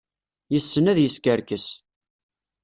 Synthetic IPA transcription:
jəsːənæðjəskəɾkəs

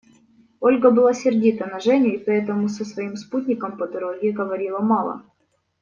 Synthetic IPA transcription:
o̞lʲɡəbɨlˠasʲɪrdʲit̪ənɐʐɛnʲɪɪpɐɛt̪əmʊsəsvɐimsput̪ʲnʲɪkəmpəd̪ɐɾoɡʲɪɡəvɐɾʲilˠəmɑlˠə̰

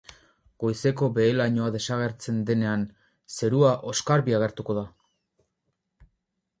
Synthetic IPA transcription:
ɡ̥o̞jse̞ko̞be̞ːlaɲo̞aðe̞saɣ̞e̞ɾt͡se̞nd̪e̞ne̞an | se̞ɾuaʔo̞skaɾβiaɣ̞e̞ɾt̪uko̞ða

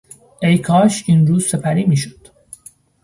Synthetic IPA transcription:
ʔejkʰɒːʃinɾuːzse̞pʰæɾiːmiːʃo̥d̪̥

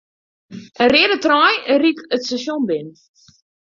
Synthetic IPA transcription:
ʔərɪədətrɔjərikətstaʃjonbɪn

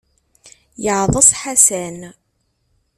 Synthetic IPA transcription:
jəʕðˤəsˤħasæn

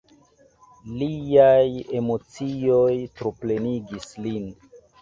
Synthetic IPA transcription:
liaje̞mo̞t͡siojtɾople̞niɡislin

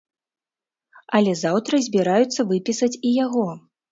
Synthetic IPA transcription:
ɐlʲɛzawt̪ɾɐzʲbʲiɾajut̪sːɐvɨpʲisɐt͡sʲijaɣɔ

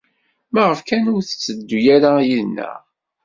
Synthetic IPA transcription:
mæʁəfkænʊɾθət͡sːəd̪ːujaɾajilnːæ̰

